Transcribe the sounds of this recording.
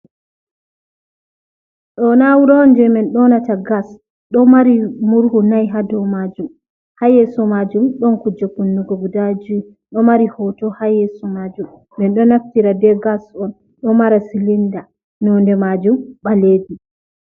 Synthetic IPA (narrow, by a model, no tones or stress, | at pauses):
ɗɔnawuɾɔndɛmɛnɗɔnataɡas | ɗɔmaɾimuɾhunajɦadɔwmad͡ʒum | hajɛsɔmad͡ʒumɗɔnkud͡ʒakunːuɡɔɡudad͡ʒu | ɗɔmaɾihɔtɔhajɛsɔmad͡ʒumː | ɛnɗɔnaftiɾadɛɡasɔn | ɗɔmaɾasilinda | nɔndɛmad͡ʒumɓaleːdi